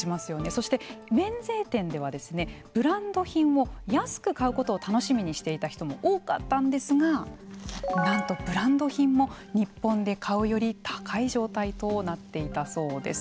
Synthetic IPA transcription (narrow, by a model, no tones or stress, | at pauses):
imasɨjo̞ne̞so̞ɕi̥t̪e̞mẽ̞nd͡ze̞ːt̪ẽ̞nd̪e̞βad̪e̞sɨne̞b̥ɯ̟ɾãnd̪o̞çĩɰ̃o̞jasɨ̥kɯ̟kaɯ̟ko̞t̪o̞ːt̪ano̞ɕimʲiɲ̟iɕi̥t̪e̞it̪açi̥t̪o̞mo̞̰ʔoːka̰t̪ːãnd̪e̞sɨɡa | nãnt̪o̞b̥ɯ̟ɾãnd̪o̞çĩmːo̞ | ɲ̟ipːõ̞nd̪e̞kʰaɯ̟jo̞ɾʲit̪ʰḁkʰaiʑo̞ːt̪ait̪o̞nat̪ːe̞it̪aso̞ːd̪e̞̰sɨ̥